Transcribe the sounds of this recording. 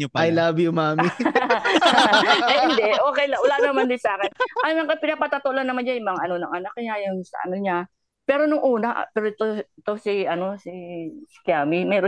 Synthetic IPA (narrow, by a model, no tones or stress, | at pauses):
ɐjlaːbɪjʊmaːmɪ | ʔɐɪjɪnd̪ɛʔʔo̞ːkɛjlɐŋwɐlaːnɐmand̪ɪnsaːkɪnɐnnɐŋkɐpɪnapɐt̪ɐt̪oʔlɐnːɐmanɲajʊŋmɐŋaʔɐno̞nɐŋʔɐnak̚ːɐjajʊŋsɐ̰ʔɐ̰no̞ɲa | pɛːɾonʊŋʔuːnɐʔpɛːɾoɪt̪oɪt̪o̞siɐno̞sɪsɪ̥kjaːmɪmɛːɾo